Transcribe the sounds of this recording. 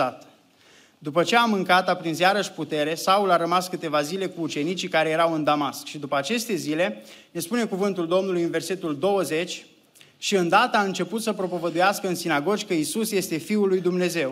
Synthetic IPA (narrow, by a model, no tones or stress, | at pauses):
at̪ | d̪upət͡ʃe̞amɨŋkat̪apɾinzjaɾəʃʲput̪e̞ɾe̞saulaɾəmaskɨt̪e̞vazile̞kuːt͡ʃe̞nit͡ʃikaɾe̞je̞ɾawɨnd̪amaskʃid̪upəat͡ʃe̞st̪e̞zile̞ne̞spune̞kuvɨnt̪uld̪o̞mnulujɨnve̞rse̞t̪uld̪o̞wəze̞t͡ʃʲ | ʃiɨnd̪at̪əaɨnt͡ʃe̞put̪səpɾo̞po̞vəd̪ujaskəɨnsinaɡo̞d͡ʒʲkəisusje̞st̪e̞fiulːujd̪umne̞ze̞w